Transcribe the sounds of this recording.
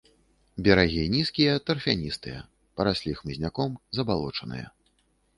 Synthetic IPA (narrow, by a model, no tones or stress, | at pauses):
bʲɐɾaɣʲinʲiskʲijɐt̪ɐrfʲanʲist̪ɨjɐ̰ | pɐɾasʲlʲixmɨzʲnʲakɔmzɐbalˠɔt͡ʂɐnɨ̰jɐ̰